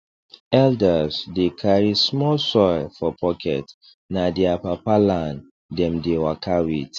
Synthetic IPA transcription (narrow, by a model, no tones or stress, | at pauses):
ɛldəzdekʰaɹismɔlsɔjfɔpʰɔkʰɛt | nadiapapalãn | dɛ̃mdewakʰawit